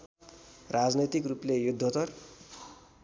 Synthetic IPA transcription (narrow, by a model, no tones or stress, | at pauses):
rad͡znʌt̪ikruplejud̪ʱːot̪ʌr